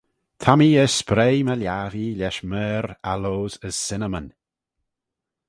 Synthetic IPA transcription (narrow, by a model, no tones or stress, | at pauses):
t̪ʰamiəspɾeːməljaːvilʲɛʃmɛːɾaloːzəz̥sɪnəmən